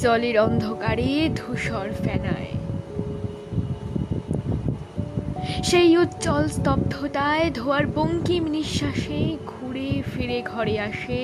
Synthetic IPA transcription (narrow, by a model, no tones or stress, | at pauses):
d͡ʑɔleɾɔnd̪ʱokaɾed̪ʱoʃɔɾfɛna̰e | ʃejut̪ːt͡ɕɔlst̪ɔb̚d̪ʱot̪aed̪ʱoaɾboŋkimniʃːaʃeɡʱuɾefeɾeɡʱɔɾeaʃe